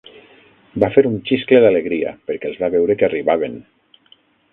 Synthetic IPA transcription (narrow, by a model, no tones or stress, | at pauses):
bafeɾunt͡ʃisklelaleɣɾia̰peɾkɛelˠzβaβewɾekariβaβ̞en